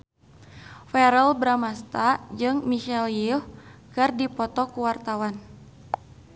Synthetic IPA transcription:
fɛɾəlbɾamast̪ad͡ʒɨŋmiʃɛljifkɨrdipɔt̪ɔkuwart̪awan

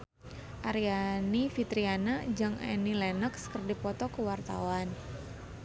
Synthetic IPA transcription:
ʔaɾianifit̪ɾianad͡ʒaŋɛ̰nilɛnəkskərdipɔt̪ɔkəwart̪a̰wan

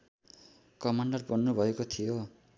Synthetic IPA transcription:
kʌmaɳɖʌrbʌnːubʱʌekot̪ʰijo

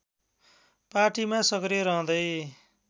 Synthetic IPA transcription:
paʈimasʌkɾeɾʌɦʌ̃d̪ʌj

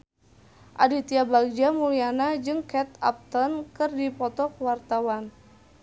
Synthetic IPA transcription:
ʔa̰dit̪iabaɡ̚d͡ʒamulianad͡ʒɨŋkɛt̪a̰p̚t̪ɔnkɨrdipɔt̪ɔkwart̪awan

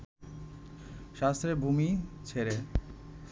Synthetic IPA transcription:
ʃast̪ɾeɾbʱumit͡ɕʰeɾe

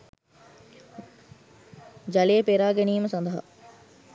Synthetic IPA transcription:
d͡ʒɐleəpeɾaːɡeniːəməsɐnd̪əɦa̰

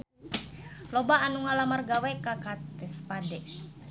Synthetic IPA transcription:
lɔbaːnuŋalamarɡawɛkakat̪ɛspadɛ

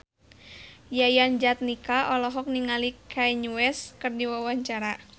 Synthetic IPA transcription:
jajand͡ʒat̪̚nikaʔɔlɔɦɔk̚niŋalikʰajɲuwɛskɨrdiwawaɲt͡ʃaɾa

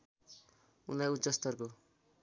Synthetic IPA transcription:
unajutːsʌst̪ʌrko

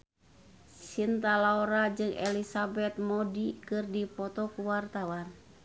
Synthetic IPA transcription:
sint̪alaoɾad͡ʒɨŋʔɛlisabɛt̪̚mɔdikɨrdipɔt̪ɔkuwart̪awan

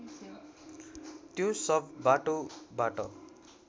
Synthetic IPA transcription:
t̪josʌbbaʈobaʈʌ̰

